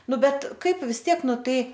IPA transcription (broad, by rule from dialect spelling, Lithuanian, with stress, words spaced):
ˈnʊ ˈbʲɛt ˈkɐɪp ʋʲɪs ˈtʲiɛk ˈnʊ ˈtɐɪ